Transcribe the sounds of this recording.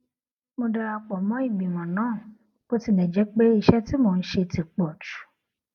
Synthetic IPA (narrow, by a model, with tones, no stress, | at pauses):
mõ˧˦da˧a˧k͡pɔ˨mɔ̃˦i˨ɡ͡bĩ˨wɔ̃˨nãː˨˦˨ | k͡po˦ti˦˨nɛ̃˨d͡ʒɛ˦k͡pe˦i˨ʃɛ˦ti˦mõ˨n̩˦ʃe˧ti˨k͡pɔ˨t͡ʃu̥˨˦